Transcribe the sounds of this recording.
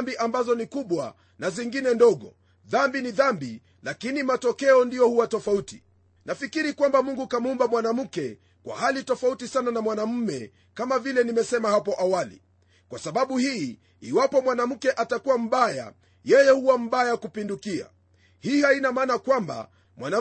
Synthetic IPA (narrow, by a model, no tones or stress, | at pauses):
mbiʔambazɔnikuɓwa̰ | naziŋɡinɛndɔɠɔ̰ | ðambiniðambi | lakinimatɔkɛɔndijɔhuwatɔfauti | nʔafikiɾikwambamuŋɡukamuumbamwanam̩kɛ | kwa̰halitɔfautisananamwanam̩mɛ | kamavilɛnimɛsɛmahapɔʔawalḭ | kwasaɓaɓuhiː | iwapɔmwanam̩kɛʔatakuwam̩ɓaja̰ | jɛjɛhuwam̩ɓajakupindukia̰ | hiːhainamaːnakwamba̰ | mwana